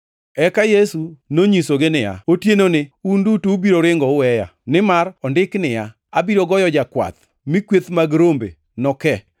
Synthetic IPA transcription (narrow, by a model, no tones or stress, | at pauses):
ɛkajesunoɲisoɡenɪja̰otjenonɪundutuubiɾoɾɪŋɡɔʊwɛja̰nɪmarɔndɪknɪja | abiɾoɡɔjɔd͡ʒakwa̰t̪ | mɪkwet̪maɡɾombḛ | nɔkɛ